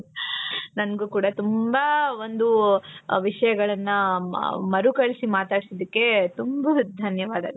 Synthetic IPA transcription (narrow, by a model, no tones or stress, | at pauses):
nɐnɡuːkuːɽɐt̪umbɐo̞nd̪uʋiʂɐjɐɡɐɭɐnːɐ | mɐɾukɐɭsimaːt̪aːɽisid̪ikːe̞t̪umbɐd̪ʱɐnjɐʋaːd̪a̰ːɡ̪ɐ